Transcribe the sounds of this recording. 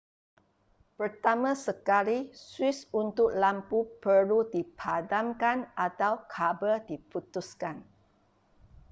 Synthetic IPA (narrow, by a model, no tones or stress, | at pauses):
pərt̪amãsəkaliswisunt̪ʊk̚lampupəludipʰadamkanat̪awkʰabədiput̪uskan